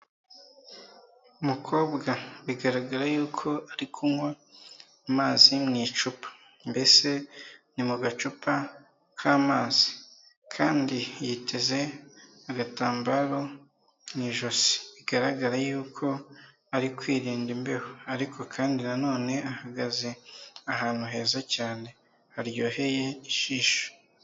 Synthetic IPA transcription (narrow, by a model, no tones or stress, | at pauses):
umukʰo̞ːbɡaβiɡaɾaɡaɾajuːkʰo̞aɾikʰumŋwe | amaːzimŋiːt͡ʃupḁ | mbe̞se̞nimuɡat͡ʃupa | kʰaːmaːzi̥ | kʰaːndijitʰe̞ze̞ | aɡataːmbaɾo̞ | niʒo̞zi̥iɡaɾaɡaɾajuːkʰo̞ | aɾikwiːɾiːndimbe̞hoaɾikʰo̞kʰaːndinano̞ːne̞ahaɡaze̞aɦaːn̥uɦe̞ːzacaːne̞ | haɾjo̞ːhe̞je̞iʃiːʃo̥